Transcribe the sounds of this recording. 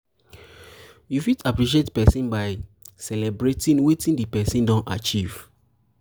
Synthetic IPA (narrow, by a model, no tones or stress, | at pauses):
jufitapɹiʃ̬ietpɛsĩnbaɪsɛlɛbɹetĩnwetĩndipɛsĩndɔ̃na̰t͡ʃiv̥